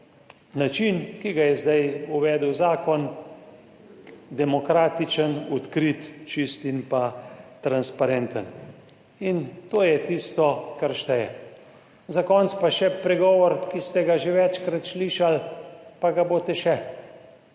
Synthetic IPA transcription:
nat͡ʃinkiɡajɛzd̪ajuʋɛːd̪əwzaːkɔn | d̪ɛmɔkɾaːt̪it͡ʃənɔt̪kɾit̪t͡ʃist̪inpat̪ɾanspaɾɛnt̪ən | int̪oːjɛt̪ist̪ɔkaɾʃt̪ɛjɛ | zakɔnt̪spaʃɛpɾɛɡɔːʋɔɾkist̪ɛɡaʒeʋɛt͡ʃkɾat̪sliːʃalpaɡabot̪ɛʃɛ

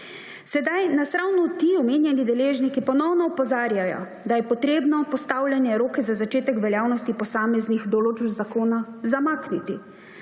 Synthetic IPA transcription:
sɛd̪ajnasɾawnut̪iɔmeːnjɛnid̪ɛleːʒnikipɔnɔwnɔːpɔzaːɾjajɔ̰ | d̪ajɛpɔt̪ɾeːbnɔpɔst̪awlʲjanjɛɾoːkɛzazat͡ʃeːt̪ɛkʋɛljaːwnɔst̪ipɔsaːmɛznixd̪ɔlod͡ʒzakoːnazamaːknit̪i

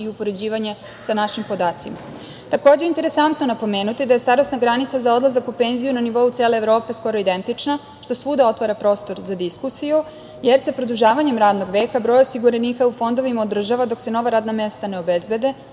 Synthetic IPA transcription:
iupo̞ɾe̞d͡ʑiːʋaɲe̞ | sanaʃimpo̞d̪aːt̪sima | t̪ako̞ːd͡ʑeint̪e̞ɾe̞sant̪no̞napo̞me̞ːnut̪id̪aje̞st̪aɾo̞snaɡɾanit̪sazao̞d̪lˠazakupe̞nzijunaniʋo̞ut̪seːle̞ːvɾo̞ːpe̞sko̞ɾo̞id̪e̞nt̪it͡ʃna | ʃt̪o̞sʋuːd̪ao̞t̪ʋaɾapɾo̞ːst̪o̞ɾzad̪iskusiju | jeɾsapɾod̪uʒaːʋaɲe̞mɾaːd̪no̞ɡʋe̞ːkabɾojosiɡuɾeniːkaufo̞nd̪o̞ʋimaod̪r̩ʒaʋad̪o̞kse̞no̞ʋaɾaːd̪name̞st̪ane̞o̞bezbe̞d̪e̞

